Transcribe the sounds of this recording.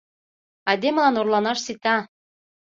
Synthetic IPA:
ɑd̪emə̆lɑnorlɑnɑʃsit̪ɑ

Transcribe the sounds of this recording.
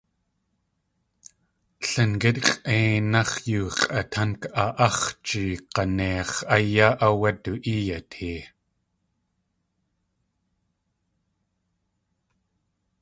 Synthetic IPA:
ɬənkɪt̪̚qʼʔeːnaχjuːqʼʔat̪ʰankaʔɑχt͡ʃiːqɑneɑχajaːʔawat̪uʔiːjat̪hiː

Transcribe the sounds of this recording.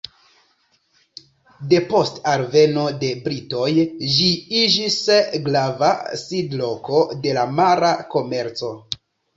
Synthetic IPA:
de̞po̞staɾve̞no̞de̞bɾito̞jd͡ʒiid͡ʒisɡlavasidlo̞ko̞de̞lamaɾako̞me̞ɾt͡so̞

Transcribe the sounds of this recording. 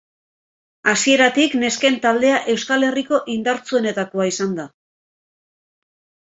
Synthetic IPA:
asie̞ɾat̪ikne̞ske̞nt̪ald̪e̞aʔe̞wskale̞riko̞ʔind̪aɾt͡sue̞ne̞t̪ako̞aisand̪a

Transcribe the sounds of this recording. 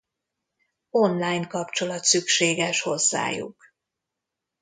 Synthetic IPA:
o̞nlaːjnkɒpt͡ʃo̞lɒt̪sykʃeːɡɛʃho̞zːa̰ːjṵk

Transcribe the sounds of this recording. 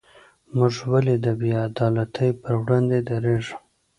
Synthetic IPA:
mʊʐwaled̪əbiad̪ɑlat̪ʰəjpəɾwɽɑnd̪ed̪aɾeʒu̥

